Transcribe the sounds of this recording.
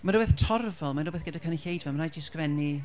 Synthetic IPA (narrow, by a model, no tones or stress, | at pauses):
manɾobeːθtʰɔrvɔlˠmanoubeːθɡ̥ədakʰaniɬejdvɛlˠmanajdɪskvɛni